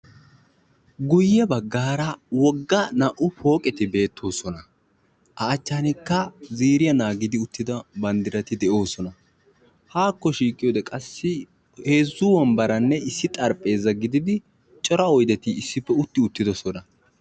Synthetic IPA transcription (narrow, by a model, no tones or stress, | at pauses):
ɡʊjːɐbɐɡːaːɾɐwɔɡːɐnɐʔʊpo̞ːkʼɛt̪ɪbe̞ːt̪ʰːo̞ːsɔnɐ | ʔɐːt͡ʃːaːnɪkːɐziːɾɪjɐnaːɡɪd̪ɪʊt̪ːɪd̪ɐbɐnd̪ɪɾɐt̪ɪd̪ɛʔo̞ːsɔnɐ | haːkːɔʃiːkʼɪjo̞ːd̪ɛkʼɐsːɪ | he̞ːzːʊwɐmbɐɾɐnːɛɪsːɪt̪ʼɐɾpʼe̞ːzːɐɡɪd̪ɪd̪ɪ | t͡ʃʼɔɾɐɔjd̪ɛt̪ɪːsːɪpːɛʊt̪ːɪʊt̪ːɪd̪ɔsɔnɐ